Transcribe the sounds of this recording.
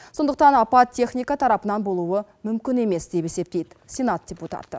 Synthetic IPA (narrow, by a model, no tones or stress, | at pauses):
so̞nd̪əq̚t̪ɑnɑpɑt̪tʰʲːe̞χnʲijkɑt̪ʰɑɾɑpənɑnbo̞lˠuwəmʏmkʲɪne̞me̞sd̪e̞pe̞se̞p̚t̪e̞jd̪ɪsʲe̞nat̪̚d̥ʲe̞put̪ɑ̰t̪ːə